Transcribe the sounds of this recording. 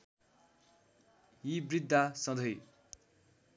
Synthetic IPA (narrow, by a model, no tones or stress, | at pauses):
jibrid̪ʱːasʌ̃d̪ʱʌj